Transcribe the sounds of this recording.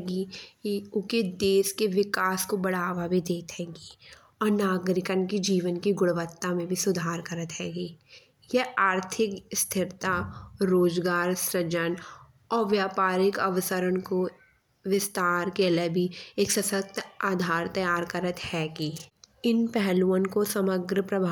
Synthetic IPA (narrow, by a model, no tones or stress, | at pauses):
ɡikiʊked̪eːskeʋɪkaːskobɐɽaːʋabʱid̪eːt̪ɦɛ̃ːɡiː | ɔːɾnaːɡɾɪkənkid͡ʒiːʋənkiɡʊɽʋət̪ːamẽbʱisʊd̪ʱaːɾkɐɾət̪ɦɛːɡiː | jeaːɾt̪ʰɪkst̪ʰɪɾt̪aɾoːd͡ʒɡaːɾsɾəd͡ʒən | ɔːɾʋjaːpaːɾɪkɐʋəsəɾənko | ʋɪst̪aːɾkeələbʱieːksɐsək̚t̪aːd̪ʱaːɾt̪ɐjaːɾkɐɾət̪hɛːɡiːɪnpɛɦluənkosɐməɡɾəpɾɐbʱ